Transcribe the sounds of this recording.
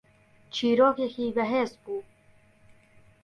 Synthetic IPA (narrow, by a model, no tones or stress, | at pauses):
t͡ʃʰiːɾoːkexiːbɐɦeːsbuː